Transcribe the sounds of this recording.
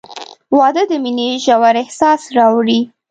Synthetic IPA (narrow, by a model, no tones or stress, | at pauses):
wɑd̪əd̪əmineʒawaɾɪhsɑsɾɑwɽi